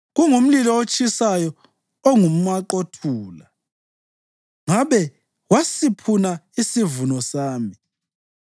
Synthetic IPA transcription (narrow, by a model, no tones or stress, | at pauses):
ɣuŋum̩lilɔot͡ʃʼisajɔ | ɔŋum̩aǃotʰuːla | ŋaβɛ | wasipʰunaisivunɔsaːmbʱi